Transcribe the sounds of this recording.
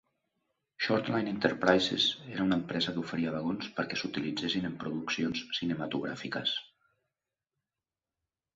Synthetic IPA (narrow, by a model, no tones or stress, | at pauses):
ʃɔɾt̪lajnint̪əɾpɾajzḛzeɾaunəmpɾɛzəkufəɾiaβəɣonspəɾkɛsut̪ilid͡zesinəmpɾuðuksionsːinəmat̪uɣ̞ɾa̰fikəs